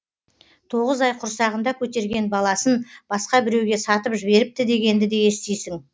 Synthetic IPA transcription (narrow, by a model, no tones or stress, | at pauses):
t̪ʰo̞ʁəzɑjqʰʊɾsɑʁənd̪ɑkʲʰɵt̪e̞ɾɡʲe̞nbɑlˠɑsənb̥ɑsqɑbɪɾe̞wɡʲesɑt̪əpʒɪbe̞ɾɪp̚t̪ɪd̪e̞ɡʲe̞nd̪ɪd̪e̞je̞st̪ejsɪŋ